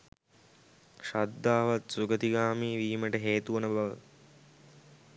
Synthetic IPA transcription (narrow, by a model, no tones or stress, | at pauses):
ʃad̪ːaːʋat̪suɡət̪iɡaːmiːʋiːməʈəɦeːt̪uʋənəbaʋə̰